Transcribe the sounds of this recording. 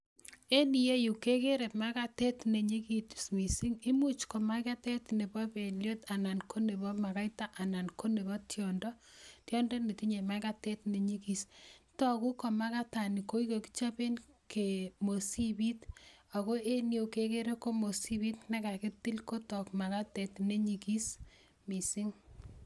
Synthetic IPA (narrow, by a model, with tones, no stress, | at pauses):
e˦ni˨je˦ju˨ke˦ke˦ɾe˨pma˦ka˦te˦tne˨ɲi˦ki˨tsmi˨si˦ŋi˦mu˦t͡ʃko˨ma˦ka˦te˦tne˨bɔ˦pe˨ljo˦ta˨na˨nkʰo˦ne˨bɔ˦ma˨ka˦jta˦ʔa˨na˨nko˦ne˨βɔ˦tjɔ˨ndɔ˦tjɔ˦ndɔni˨ti˦ɲe˨maka˦te˦tne˨ɲi˦ki˨stɔ˦ku˦kɔ˨ma˦ka˦tani˨ko˦ikoki̥˦t͡ʃa˦pe˦nkʰemo˨si˦bi˦ta˨ko˦ʔe˦njo˨keke˦ɾe˦ko˦mo˨si˦bi˦tna˦ka˨ke˦ti˦lko˦tɔkma˨ka˦tɛtne˦ɲiki˦s | mi˨si˦ŋ